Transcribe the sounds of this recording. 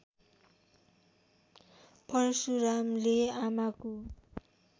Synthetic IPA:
pʌrsuɾamleamako

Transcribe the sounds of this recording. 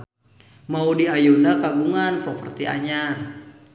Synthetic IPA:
maudiajudakaɡuŋanfɔfərt̪iʔa̰ɲan

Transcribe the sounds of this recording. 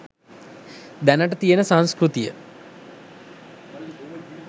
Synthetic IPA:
d̪ænəʈət̪ijənəsanskɾut̪ijə

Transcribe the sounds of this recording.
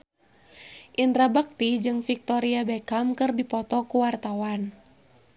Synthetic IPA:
ʔind̪ɾabak̚t̪id͡ʒɨŋfik̚t̪ɔɾiabɛkamkɨrdipɔt̪ɔkuwart̪awan

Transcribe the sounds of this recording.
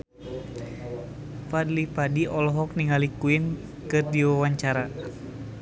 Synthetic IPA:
padlipadiʔɔlɔɦɔk̚niŋalikuin | kɨrdiwawaɲt͡ʃaɾa

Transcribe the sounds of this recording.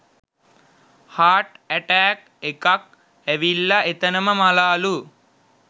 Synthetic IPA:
haːʈæʈæːk | ekak̚ | æʋilːaʔet̪ənəməmalaːlu

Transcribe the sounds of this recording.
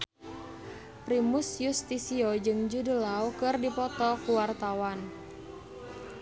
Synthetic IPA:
pɾimusjust̪isiod͡ʒɨŋd͡ʒudəlawkɨrdipɔt̪ɔkuwart̪awan

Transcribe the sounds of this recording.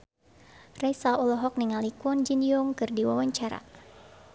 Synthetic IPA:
rɛsaɔlɔɦɔk̚niŋalikɔnd͡ʒinjɔŋkɨrdiwawaɲt͡ʃaɾa̰

